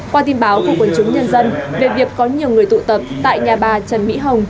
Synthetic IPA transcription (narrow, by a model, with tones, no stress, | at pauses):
kwaː˧t̪i˧nɓaː˨˦wku˧˩əkwə˨˩˦nt͡ɕʊ˨˦ŋ͡mɲə˧nzə˧nve˨˩vi˨˩əkːɔ˨˦ɲi˨˩əwŋɨ˨˩əjt̪ṵ˧˨t̪ə˨˩p̚t̪a̰ː˧˨jɲaː˨˩ɓaː˨˩t͡ɕə˨˩nmḭ˧˥ɦə˨˩wŋ͡m